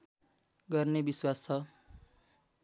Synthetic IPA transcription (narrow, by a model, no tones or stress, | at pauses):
ɡʌrnebiswast͡sʰʌ